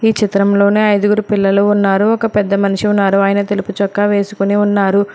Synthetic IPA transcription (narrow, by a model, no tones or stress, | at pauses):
iːt͡ʃit̪ɾɐmlo̞ːne̞ːɐjd̪uɡuɾupilːɐluunːaːɾuɔkɐpɛd̪ːɐmɐnuʂiunːaːɾuaːjɐnɐt̪eluput͡ʃɔkːaːʋe̞ːsu̥kuniunːaːɾu